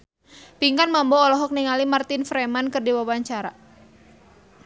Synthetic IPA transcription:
piŋkanmambɔːlɔɦɔk̚niŋalimart̪ɪnfɾɛmankɨrdiwawaɲt͡ʃaɾa

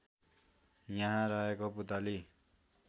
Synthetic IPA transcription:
jaɦãɾʌɦekoput̪ali

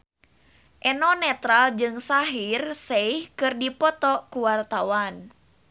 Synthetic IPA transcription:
ʔɛnɔnɛt̪ɾald͡ʒɨŋsaɦirseihkɨrdipɔt̪ɔkuwart̪awan

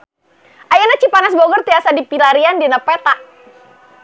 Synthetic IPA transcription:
ʔajanat͡ʃipanas̬boɡɔrt̪iasadipilaɾiandinapɛt̪aʔ

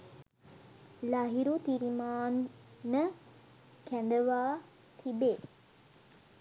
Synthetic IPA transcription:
laɦiɾut̪iɾimaːnːə | kænd̪əʋaː | t̪ʰibe

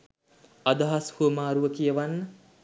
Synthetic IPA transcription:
ad̪aɦashuəmaːɾuʋəkijəʋanːə

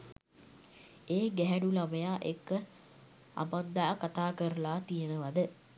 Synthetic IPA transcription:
eːɡæɦænulaməjaːʔekːə | a̰mand̪aːkat̪aːkəɾəlaːt̪ijənəʋad̪ə

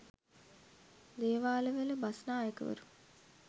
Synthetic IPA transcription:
d̪eːʋaːləʋələbasnaːekəʋə̰ɾu

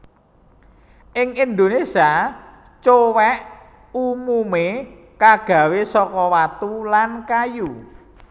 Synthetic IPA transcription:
ʔɪŋind̪onesia | t͡ʃowɛʔ | umume | kaɡ̥ä̤wesɔkɔwat̪ulankaju

